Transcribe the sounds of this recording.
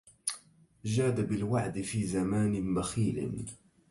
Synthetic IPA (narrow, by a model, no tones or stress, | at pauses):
ʒaːd̪abɪlwaʕd̪ɪfiːzamaːnɪbaxiːlɪ̰